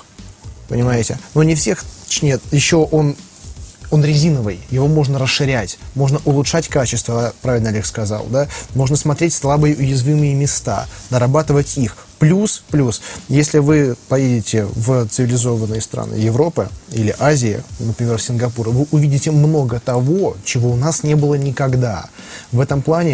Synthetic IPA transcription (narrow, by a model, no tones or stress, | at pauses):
pənʲɪmajɪtʲɪ̰nunʲɪfsʲe̞xt͡ɕnʲet̪jɪɕːo̞ʔo̞n | o̞nɾʲɪzʲinəvɨjjɪvo̞mo̞ʐnəɾəsʂɨɾʲætʲmo̞ʐnəʔʊlˠʊtʂatʲkat͡ɕɪst̪vəapɾavʲɪlʲnɐlʲexskɐza̰lˠd̪amo̞ʐnəsmɐt̪ɾʲetʲslˠabɨjɪʔʊjɪzvʲimɨjɪmʲɪst̪a̰d̪əɾɐbat̪ɨvətʲix | plʲusplʲusjesʲlʲɪvɨpɐjedʲɪtʲɪvt̪sɨvʲɪlʲɪzo̞vənːɨjɪst̪ɾa̰nɨ̰jɪvɾo̞pɨ̰ilʲɪʔazʲɪjə̰nəpɾʲɪmʲerfsʲɪnɡɐpuɾvɨʔʊvʲidʲɪtʲɪmno̞ɡət̪ɐvo̞t͡ɕɪvo̞ʊnasnʲe̞bɨlˠənʲɪkɐɡd̪a̰ | vɛt̪əmplˠanʲɪ